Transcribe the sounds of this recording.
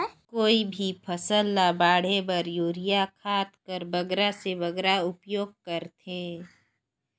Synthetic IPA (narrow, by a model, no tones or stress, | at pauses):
koːibʱipʰɐsəlːabaːɽ̤ebɐɾjoːɾijakʰaːt̪kəɾbɐɡɾaseʋɐɡɾaʊpjoːɡ̚kəɾt̪ʰeː